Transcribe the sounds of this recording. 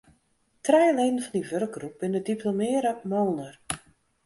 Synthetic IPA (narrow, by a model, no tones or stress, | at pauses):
trɛjleːdn̩fɔndiʋørɡ̚ɡrup̚b̥ɪnədipʰlomɪːəɾəmoːnər